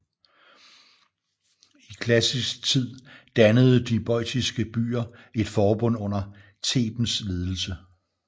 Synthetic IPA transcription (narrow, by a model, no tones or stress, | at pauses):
ikʰlæsisɡ̥̚t͡sʰið̰ˠd̥ænəð̩ˠd̥ib̥ɒ̽ɪd̥ʰisɡ̥əb̥y̰ːɐe̝d̥fɒːb̥ɔ̽n̰ɔ̽n̰ɐ | t͡sʰe̝̰ːb̥n̩sle̝ːð̞ˠl̩sə